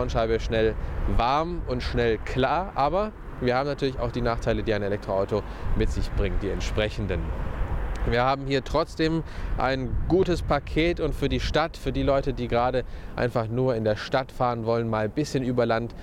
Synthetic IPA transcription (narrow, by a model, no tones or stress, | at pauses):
nʃaɪbəʃnɛlvaɐmʊntʃnɛlkl̥aːɐʔaːbɐ | viːɐhaːbm̩natʰyːɐlɪça̰ʊxd̥iːnaːχtʰaɪlədiːaɪnelɛk̚tʁ̥oʔaʊtomɪtz̥ɪçb̥ʁɪŋətd̥iːɛ̰ntʃpʁ̥ɛçn̩dən | viːɐhaːbm̩hiːɐtʁ̥ɔt͡sd̥eːmʔa̰ɪnɡ̥uːtəspʰakʰeːtʊntfyːɐdiːʃtatfyːɐdiːlɔʏtədiːɡəʁaːɾəʔa̰ɪnfaχnuːɐɪndeːɐʃtatfaːʁənvɔlənmaːlbɪsçənʔyːbɐlant